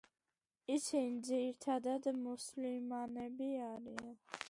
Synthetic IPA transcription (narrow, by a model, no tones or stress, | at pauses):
isʰind͡ziɾt̪ʰad̪ad̪muslimanɛbiaɾian